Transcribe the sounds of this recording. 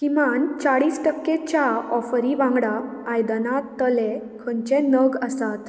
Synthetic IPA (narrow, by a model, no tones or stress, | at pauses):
kimant͡saɽiːsʈəkːet͡ɕjaɔfəɾiʋãŋɡɽaajd̪ənat̪ːəle | kʰənt͡ɕẽnəɡəsat̪